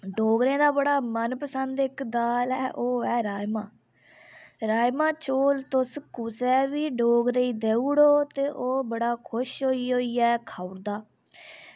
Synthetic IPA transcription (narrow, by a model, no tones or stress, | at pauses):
ɖoːɡɾẽːd̪aːbəɽaːmənpəsənd̪ɪkd̪aːlɛːʔoːɛːɾaːjmãː | ɾaːjmãːt͡ʃoːlt̪ʊskʊsɛːʋiːɖoːɡɾeiːd̪eːuːɽoːt̪eːʔoːbəɽaːkʰʊʃɦoːiːɦoːiːɛːkʰaːʊɽd̪aː